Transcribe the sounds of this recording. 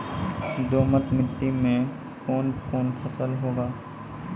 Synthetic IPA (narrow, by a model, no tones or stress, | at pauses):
d̪oːmət̪mɪʈːimẽ | koːnkoːnpʰəsəlɦoːɡaː